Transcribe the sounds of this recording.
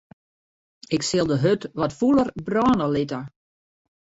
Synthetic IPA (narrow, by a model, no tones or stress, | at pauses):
ɪksɪlˠdəɦøtʋɔtfulˠərbrɔːnəlɪtə